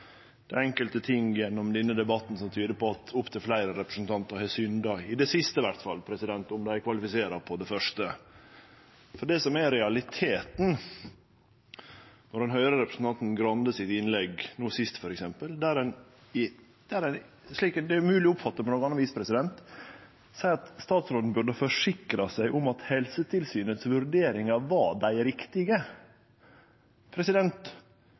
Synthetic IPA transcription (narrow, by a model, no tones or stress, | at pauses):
d̪̥ɛɛŋkəlt̪ət̪ʰɪŋjɛnːɔmd̪ɪnːəd̪ɛbɑt̪ːn̩sɔmt̪ʰyːd̪əpɔɑt̪ʊpt̪ʰɪlflæɪɾəɾɛpɾəsn̩t̪ʰɑnt̪əɾhɛsʏnd̪ɑɪd̪ɛsɪst̪əʋæɾt̪fɑlːpʰɾɛsɪd̪ɛnt̪ʊmd̪ɛæɪkʰʋɑlɪfɪseːɾɑpʰɔd̪ɛfœʂt̪ə | fɔɖɛsɔmæɾɛɑlɪt̪ʰeːt̪n̩ | nɔɾd̪ɛnɦœʏɾəɾɛpɾəsn̩t̪ɑnt̪n̩ɡɾɑnd̪əsɪt̪ɪnlɛɡnuːsɪst̪fɔɾɛksɛmpəld̪æɾɛn | ɪ | d̪̥æɾɛn | ʂɭiːkd̪ɛjʊmʉːlɪʊpfɑt̪ːəpɔnoːknɑnːɑʋiːspʰɾɛsɪd̪ɛnt̪ | sæɪɑt̪st̪ɑːt̪sɾoːd̪n̩bʉɖəfɔʂɪkɾɑsæɪʔʊmɑt̪hɛlsət̪ʰɪlsyːnət̪sʋʉɾɖeːɾɪŋɑʋɑɖæɪɾɪkt̪ɪɡə | pʰɾɛsɪd̪ɛnt̪